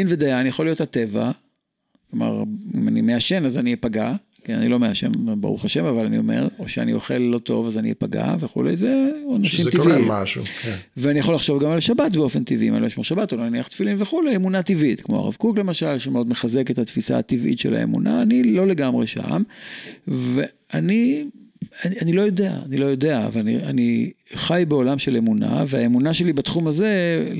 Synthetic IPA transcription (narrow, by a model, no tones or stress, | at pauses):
inved̪ajanijaχolijo̞that̪e̞va̰ | kloma̰ʁimanime̞aʃe̞nazanipaɡa | kia̰nilome̞aʃe̞̰nba̰ʁṵχaʃe̞mavalanḭo̞me̞̰ʁo̞ʃeanḭo̞χe̞lːo̞to̞̰vazanḭpaɡa̰veχṵlḛjzenaʃimt̪iviimaʃṵveanijaχolaχʃo̞vɡamalʃabatbeo̞fe̞nt̪ivʔimanlojʃmoʁʃabat̪olonaniaχt̪filinveχulejemunat̪ivit̪kmo̞a̰ʁa̰vkukle̞maʃalʃemeo̞d̪meχaze̞ke̞t̪hat̪fisa̰ːt̪ivʔḭtʃe̞la̰ḛmṵna̰ːnilo̞le̞ɡamʁeʃa̰m | ve | ani | ananilo̞jo̞de̞a̰ːnilo̞jo̞d̪e̞avalanḭaniχajbeo̞lamʃele̞muna̰veaemunaʃe̞libat̪χumaze̞